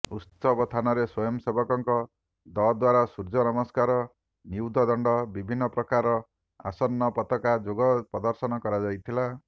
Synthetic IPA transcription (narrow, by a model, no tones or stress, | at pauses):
utsɔbɔt̪ʰanɔɾeswɔjɔmsebɔkɔŋkɔ | d̪ɔd̪waɾasuɾd͡ʒɔnɔmɔskaɾɔ | niwd̪ʱɔd̪ɔɳɖɔbibʱinːɔpɾɔkaɾɔ | a̰sɔnːɔpɔt̪ɔkad͡ʒoɡɔpɔd̪ɔɾsɔnɔkɔɾad͡ʒajt̪ʰila